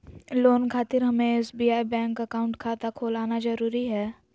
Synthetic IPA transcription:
loːnkʰaːt̪ɪɾɦɐmẽɪsbiːaːibɛ̃ːŋkəkaːʊ̃ɳʈkʰaːt̪akʰoːlaːnazɐɾuːɾiɦɛː

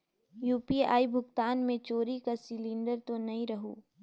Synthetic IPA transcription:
juːpia̰ːibʱʊɡt̪aːnmẽt͡ʃoːɾikasɪlĩːɳɖəɾt̪onɐɦĩɾɐɦṵː

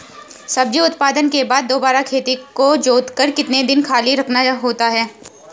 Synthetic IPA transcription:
sɐb̚d͡ʒiʊt̪paːd̪ənkebaːd̪ːoːbaːɾakʰeːt̪ikod͡ʒoːt̪kəɾkɪt̪ned̪ɪnkʰaːliɾɐkʰnaɦoːt̪aɦɛː

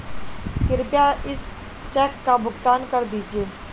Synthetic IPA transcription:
kɪɾpjaːɪs | t͡ʃɛːkːabʊɡt̪aːnkəɾd̪iːd͡ʒieː

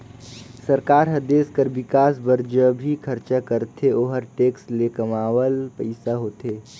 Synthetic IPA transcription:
səɾkaːɾɦɐd̪eːskəɾbɪkaːsbəɾd͡ʒobʱikʰɐɾt͡ʃakəɾt̪ʰeoːɦəɾʈeːkslekɐmaːwəlpɐɪsaɦoːt̪eː

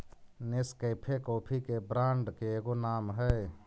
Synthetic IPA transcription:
nɪskəːpʰekoːpʰikebɾãːɳɖkeɡonaːmɦɛ

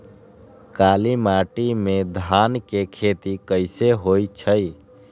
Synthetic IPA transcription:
kalimaʈimed̪ʱankekʰet̪ikəɪseɦojt͡ʃʰəj

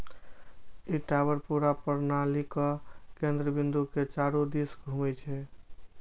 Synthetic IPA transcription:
iʈabəɾpuɾapəɾnalikɔkend̪ɾəbind̪uket͡ʃaɾud̪isɡʱumɛt͡ʃʰɛ

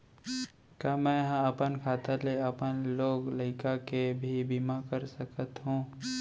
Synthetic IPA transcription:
kjaːmɛ̃ːɦãɐpənkʰaːt̪aleɐpənloːɡlɐɪkakebʱibimakəɾsəkət̪ɦũː

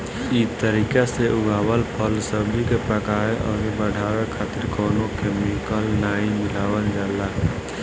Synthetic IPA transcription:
it̪əɾiːkaseʊɡʱaːwəlpʰəlsəbikepɾəkaːeʔɔ̰ːɾebəɽʱaːɾekʰaːt̪ɪɾkɔːnõkemikəlnaːimɪlaːwənd͡ʒalaɦ

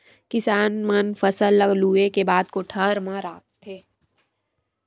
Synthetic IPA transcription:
kɪsaːnmənfʰɐsəlːəɡluːekebaːd̪̚koʈʰəɾmãɾaːkt̪ʰːeː

